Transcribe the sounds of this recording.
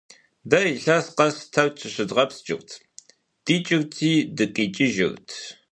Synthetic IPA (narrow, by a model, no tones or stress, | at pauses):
dɐjiɬɐsqɐstʰɐwt͡ʃʰɨɕɨdʁɐpst͡ʃʼɪ̰rtʰ | d̥iːt͡ʃʼɪrtʰiːdɨqʼiːt͡ʃʼɪʒɪ̰ɣtʰ